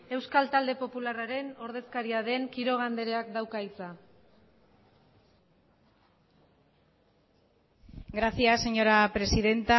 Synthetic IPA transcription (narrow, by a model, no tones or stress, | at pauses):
e̞wskalt̪ald̪e̞po̞pularaɾe̞no̞ɾðe̞skaɾiaðe̞ŋkiɾo̞ɣ̞and̪e̞ɾe̞akd̪awkait͡sa | ɡɾasiase̞ɲo̞ɾapɾe̞siðe̞nt̪a